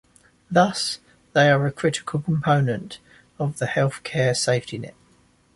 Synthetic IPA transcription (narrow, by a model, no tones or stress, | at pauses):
ðʌs | ðeɪəɹəkʰɹ̥ɪtɪ̥kʰəlˠkʰə̃mpʰəʊnə̃nt | əvðəhɛlˠθkʰɛːseɪftinɛ̰t̚